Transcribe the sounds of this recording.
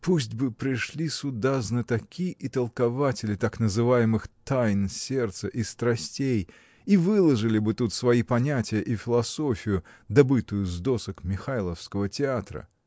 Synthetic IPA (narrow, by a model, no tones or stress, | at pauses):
pusʲtʲbɨpɾʲɪʂlʲisʊd̪aznət̪ɐkʲiʔɪt̪əlˠkɐvatʲɪlʲɪt̪aknəzɨvajɪmɨxt̪ajnsʲe̞rt̪səʔist̪ɾɐsʲtʲej | ivɨlˠəʐɨlʲɪbɨt̪ut̪svɐipɐnʲætʲɪjəʔifʲɪlˠɐsofʲɪjʊd̪ɐbɨt̪ʊjʊzd̪o̞səkmʲɪxajlˠəfskəvətʲɪat̪ɾə̰